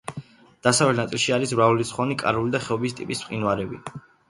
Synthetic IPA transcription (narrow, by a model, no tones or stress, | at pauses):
d̪̥asavlɛt̪nat̪ʼilˠʃiaɾisvɾavulit̪sʰχwɔnikʼa̰ɾulid̪aχɛɔbist̪ʼḭpʼissqʼinwaɾɛbi